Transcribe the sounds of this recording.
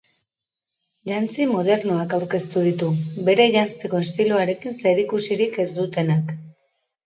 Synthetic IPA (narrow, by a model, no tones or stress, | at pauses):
ʎant͡simoð̞e̞ɾnoakawɾke̞st̪uð̞it̪ube̞ɾe̞ʝanst̪e̞ko̞est̪iluaɾe̞kinseɾikusiɾike̞zd̪ut̪e̞nak